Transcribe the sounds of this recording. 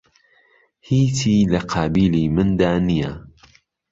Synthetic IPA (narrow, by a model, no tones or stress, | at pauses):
hiːt̪ʰiːlɐqʰɑːbiːliːmɨnd̪aːnijɐ